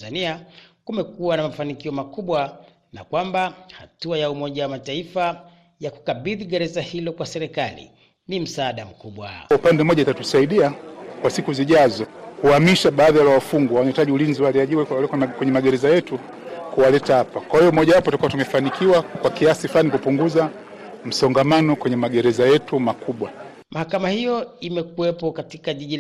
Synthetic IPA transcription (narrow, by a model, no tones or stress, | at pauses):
aniakumɛkuanamafanikiɔmakuɓwa | na̰kwambahatuajaumɔʄawamataifa | jaku̥kaɓiðiɠɛɾɛzahilɔkwasɛɾɛkalḭ | nim̩saːɗam̩kuɓwa̰upandɛmɔʄaitatusaiɗiakwasikuziʄazɔkuamiʃaɓaːðijalawafuŋɡuawanaitaʄiulinziwaliaʄiwɛɛkkwɛɲɛmaɡɛɾɛzajɛtu | kuwalɛtahapakwahijɔmɔʄawapɔtutakuwatumɛfanikʰiwakwakiasiflanikupuŋɡuza | m̩sɔŋɡamanɔkwɛɲɛmaɡɛɾɛzajɛtumakuɓwa | mʔahakamahijɔimɛkuwɛpɔkatikaʄiʄi